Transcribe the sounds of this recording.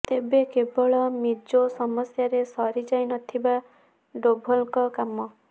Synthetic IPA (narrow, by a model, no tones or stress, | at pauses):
t̪ebekebɔɭɔmid͡ʒosɔmɔsjaɾesɔɾid͡ʒajnɔt̪ʰiba | ɖobʱɔlkɔkamɔ